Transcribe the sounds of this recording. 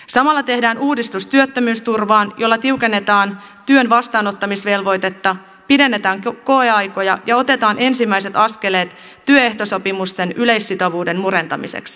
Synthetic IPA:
sɑmɑlːɑt̪e̞hdæːnuːdist̪ust̪yøt̪ːømyːst̪urʋɑːnjo̞lːɑt̪iuke̞nːe̞t̪ɑːn | t̪yønʋɑst̪ɑːno̞t̪ːɑmisʋe̞lʋo̞jt̪e̞t̪ːɑ | pide̞nːe̞t̪ɑːŋko̞eɑjko̞jɑjɑo̞t̪e̞t̪ɑːnʔe̞nsimːæjse̞t̪ɑske̞le̞ːt̪ː | yøe̞ht̪o̞so̞pimust̪enyle̞jsːit̪o̞ʋuːde̞nmuɾe̞nt̪ɑmḭsḛks

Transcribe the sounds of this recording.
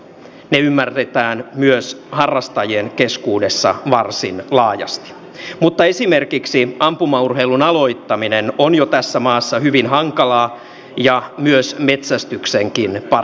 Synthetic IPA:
neymːært̪et̪æːnmyøshɑrːɑst̪ɑjienkeskuːdesːɑ̰ʋɑrsinlɑːjɑ̰st̪i̥ | mut̪ːɑesimerkiksiɑmpumɑurɦeilunɑlo̞it̪ːɑminenonjot̪æsːæmɑːsːɑhyʋinɦɑŋkɑlɑː | jɑmyøsme̞t̪sæst̪ykseŋkinpɑ

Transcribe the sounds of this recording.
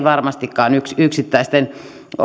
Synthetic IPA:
ʋɑrmɑst̪ikːɑːnyksyksit̪ːæˑist̪en

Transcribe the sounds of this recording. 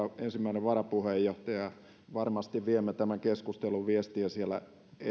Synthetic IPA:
ensimːæineʋʋɑrɑpuhejːoht̪ɑjɑ | ʋɑrmɑst̪iʋʋiemːet̪æmæŋkeskust̪eluʋiest̪iæsielæ̰ | e

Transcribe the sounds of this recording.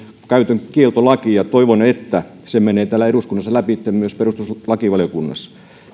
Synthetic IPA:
kæyt̪øŋkielt̪olɑkijɑt̪oiʋonet̪ːæ | semeneːt̪æːlæeduskunːɑsːɑlæpit̪ːemmyøsperust̪uslɑkiʋɑljokunːɑ̰sːɑ̥

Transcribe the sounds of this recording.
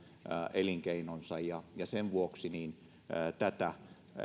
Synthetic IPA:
ʔeliŋkeinonsɑjjɑjɑseʋʋuoksiniːn | t̪æt̪æ

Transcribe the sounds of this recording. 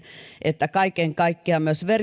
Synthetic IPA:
ʔet̪ːækɑikeŋkɑikːeɑmyøsʋer

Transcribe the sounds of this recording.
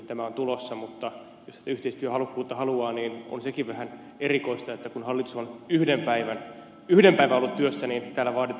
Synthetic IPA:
t̪æmæont̪ulosːɑmut̪ːɑ | jost̪æt̪æyht̪eist̪yøhɑlukːuːt̪ːɑhɑluɑːniːno̰nsekiʋʋæhæn | erikoist̪ɑet̪ːækunhɑlːit̪usonyhdempæiʋæn | yhdempæiʋæolːut̪t̪yøsːæniːnt̪æːlːæʋɑːt̪it̪

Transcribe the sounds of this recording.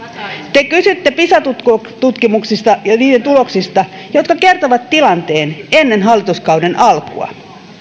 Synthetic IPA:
t̪e̞kysyt̪ːepisɑt̪ut̪k | t̪ut̪kimuksist̪ɑjɑniːdent̪ulo̞ksist̪ɑ | jo̞t̪kɑke̞rt̪oʋɑt̪ːilɑnt̪e̞ːne̞nːe̞nɦɑlːit̪uskɑwde̞nʔɑlkṵɑ̰

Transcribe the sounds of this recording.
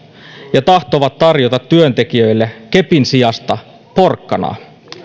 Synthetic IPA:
jɑt̪ɑht̪oʋɑt̪ːɑrjo̞t̪ɑt̪ːyønt̪e̞kiø̞jlːeke̞pinsijɑst̪ɑ | po̞rkːɑnɑ̰ː

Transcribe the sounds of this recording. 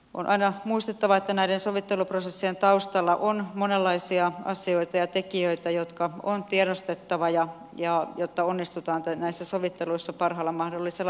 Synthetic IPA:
ʔo̰nʔɑinɑmuist̪et̪ːɑʋɑet̪ːænæidensoʋit̪ːeluprosesːient̪ɑust̪ɑlːɑʔonmonelːɑisiɑɑsioit̪ɑjɑt̪ekiøit̪æjot̪kɑont̪ieɾost̪et̪ːɑʋɑjɑ | jɑjot̪ːɑonːist̪ut̪ɑːnt̪ænæisːæsoʋit̪ːeluisːɑpɑrɦɑlːɑmɑhdolːiselːɑ

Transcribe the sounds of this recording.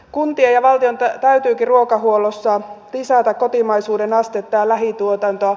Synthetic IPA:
kunt̪iejɑʋɑlt̪iont̪ɑt̪æyt̪yːkiruokɑhuolosːɑlisæːt̪ækkot̪imɑisuːdenɑst̪et̪ːɑːlæɦit̪uot̪ɑnt̪oɑ

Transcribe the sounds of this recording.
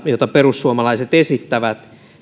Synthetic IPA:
jot̪ɑperusːuomɑlɑiset̪esit̪ːæʋæt̪

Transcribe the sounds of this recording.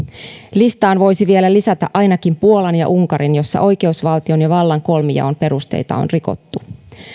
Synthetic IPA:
list̪ɑːnʋo̞jsiʋie̞lælisæt̪æʔʔɑjnɑkimpuolɑnjɑ̰ʔuŋkɑɾinjo̞sːɑ̰ʔo̞jke̞usʋɑlt̪io̞njɑʋɑlːɑŋko̞lmijɑ̰ompe̞ɾust̪ḛjt̪ɑ̰o̰nriko̞̰t̪ːu

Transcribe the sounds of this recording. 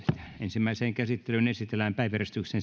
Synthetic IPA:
e̥t̪æensimːæiseːŋkæsit̪ːelynesit̪elæmpæˑiʋjærest̪yksen

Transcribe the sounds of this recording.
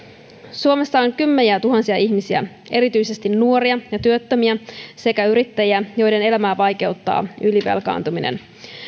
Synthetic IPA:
suome̞sːɑoŋkymːeniæt̪uɦɑnsiɑiçmisiæ̰ | e̞ɾit̪yjse̞st̪inːuo̞ɾiɑjɑt̪yøt̪ːømiæse̞kæyɾit̪ːæjiæjo̞jde̞ne̞læmæːʋɑjk̟e̞wt̪ːɑ̰ːʔyliʋe̞̰lkɑ̰ːnt̪uminḛn

